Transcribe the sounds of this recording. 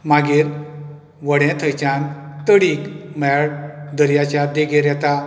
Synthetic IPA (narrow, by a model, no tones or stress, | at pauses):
maɡiɾ | ʋəɽɛ̃t̪ʰəjt͡ɕãnt̪əɽikmɛɭd̪əɾjat͡ɕjad̪eɡeɾjɛt̪a